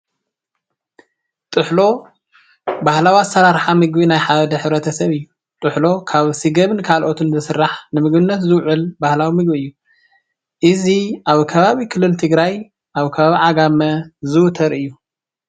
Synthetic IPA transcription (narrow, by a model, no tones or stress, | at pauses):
t̪ʼɨħlo̞ | bahlawazsʰɐɾaɾħamɨɡbinajħaβd̪ɐħɨβɾɐt̪ʰɐsɐβɨjːu | t̪ʼɨħlo̞kʰaβsɨɡɐβɨnkʰalʔo̞t̪ʰɨnzɨsɨrːaħnɨmɨɡbɨnːɐt̪zɨwʕʊlbahlawimɨɡbiɨjːu | ʔɨziʔaβkʰɐβaβikʰɨlːɨlt̪ʰɨɡɾaj | ʔaβkʰɐβaβiʕaɡamɐzɨwt̪ʰɐɾɨjːu